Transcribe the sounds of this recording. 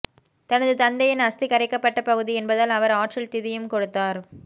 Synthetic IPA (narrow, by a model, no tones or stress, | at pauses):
t̪ɐnɐðɯt̪ɐnd̪ɐjɐnɐst̪ikɐɾɛɪkːɐpːɐʈːɐpɐɣɯðiɛnbɐðɐlɐʋɐɾaːʈrɪlt̪ɪðɪjɯmkɔɽɯt̪ːaːɾ